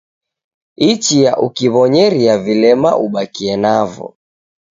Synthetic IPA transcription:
it͡ʃijaʔukiβɔɲɛɾiavilɛma̰ʔuɓakiɛnavɔ̰

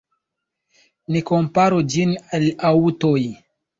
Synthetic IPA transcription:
nikompaɾod͡ʒinalautoj

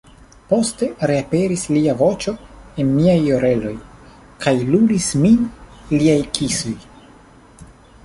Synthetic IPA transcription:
po̞ste̞ɾe̞ape̞ɾisliavo̞t͡ʃo̞enmiajoɾe̞lo̞j | kʰajluɾisminliajkʰisoj

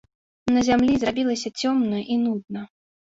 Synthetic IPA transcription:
nɐzʲamlʲizrabʲilˠɐsʲɐt͡sʲɔmnɐʔinud̪nɐ

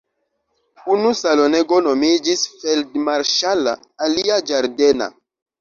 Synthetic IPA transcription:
unusalo̞neɡo̞no̞mid͡ʒisfeldmaɾʃala̰ː | liad͡ʒaɾdena̰

